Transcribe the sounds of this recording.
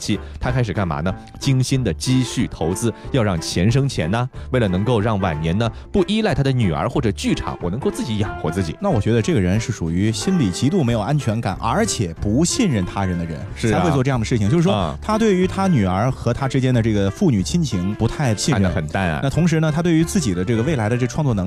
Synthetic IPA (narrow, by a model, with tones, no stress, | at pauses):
t͡ɕʰi˥t̪ʰa˥kʰa˥ɪʂɻ̩˨˩ka˥˩nma̰˧˥nə˧ | t͡ɕi˥ŋɕi˥nd̪ə˨t͡ɕi˥ɕy˥˩t̪ʰo˧˥ʊt͡sɹ̩˥jɑ˥˧ʊɻɑ˥˩ŋt͡ɕʰjɛ˧˥nʂ̬ɤ˥ŋt͡ɕʰjɛ̰˧˥nɐ˧we˥˩ɪlə˩nɤ˧˥ŋko˥˧ʊɻɑ˥˩ŋwa̰˨˩ɪnjɛ˧˥nə˧pu˥˩ʔi˥la˥˩ɪt̪ʰa˥d̪ə˧˨ny˨˩ə̰˞˧˥xwɔ˥˩ʈ͡ʂɤ˨˩t͡ɕy˥˩ʈ͡ʂʰɑ̰˨˩˦ŋwɔ˨˩n˧˥ŋko˥˧ʊt͡sɹ̩˥˩t͡ɕi˧˥jɑ˨˩ŋxwɔ˧˥t͡sɹ̩˥˩t͡ɕḭ˨˩˦na˥˩wɔ˨˩t͡ɕɥɛ˧˥d̪ə˧ʈ͡ʂɤ˥˩ɡə˩ɻə˧˥nʂɻ̩˥˩ʂu˨˩y˧˥ɕi˥nli˨˩t͡ɕi˧˥t̪u˥˩me˧˥ɪjo˨˩ʊʔa˥nt͡ɕʰɥɛ˧˥nka̰˨˩˦nʔə̰˞˧˥t͡ɕʰjɛ˨˩pu˧˥ɕi˥˧nɻə˥˩nt̪ʰa˥ɻə˧˥nd̪ə˧ɻə̰˧˥nʂɻ̩ʰ˧˥xe˥˧t͡swɔ˥˧ʈ͡ʂɤ˥˧jɑ˥˩ŋə˩ʂɻ̩ʰ˥˩i˩ŋt͡ɕo˥˧ʊʂɻ̩˥˩wɔ˥t̪ʰa˥t̪̬we˥˩ɪy˧˥t̪ʰa˥ny˨˩ə˞˧˥xɤ˧˥t̪ʰa˥ʈ͡ʂɻ̩˥t͡ɕjɛ˥nd̪ə˨˧ʈ͡ʂɤ˥˩ɡə˩fu˥˩ny˨˩t͡ɕʰi˥nt͡ɕʰi˧˥ŋpu˧˥t̪ʰa˥˧ɪɕi˥˧˨ɻə˧xə̰˨˩nt̪a˥˩n̰˩˧na˥˩t̪ʰʊ˧˥ŋʂ̬ɻ̩˧˥nə˧t̪ʰa˥we˥˩ɪy˧˥t͡sɹ̩˥˩t͡ɕi˨˩d̪ə˦ʈ͡ʂɤ˥˩ɡə˩we˥˩ɪla˧˥ɪd̪ə˧ʈ͡ʂɤ˥˩ə˩ʈ͡ʂʰɑ˥˧t͡swɔ˥˧nɤ˧˥